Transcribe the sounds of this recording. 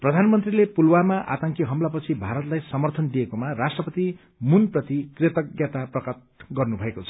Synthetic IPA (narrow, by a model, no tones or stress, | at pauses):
prʌd̪ʱanmʌnt̪rilepulwamaʔa̰t̪aŋkiɦʌmlapʌt͡sʰibʱaɾʌt̪lajsʌmʌrt̪ʰʌnd̪ijekomarasʈrʌpʌt̪i | munprʌt̪ikret̪ʌɡjat̪aprʌkat̪̚ɡʌrnubʱʌekot͡sʰʌ̥